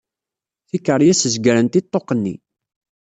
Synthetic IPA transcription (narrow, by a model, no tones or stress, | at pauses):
θikəɾˤjæsəzɡəɾənt̪it̪ˤːoqənːḭ